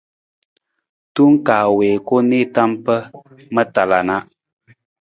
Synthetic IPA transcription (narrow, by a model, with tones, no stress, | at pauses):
tu˦ŋ˦kaː˨weː˨ko˦ne˦˨ta˦mpə˦ | mə˦ta˨la˨na˦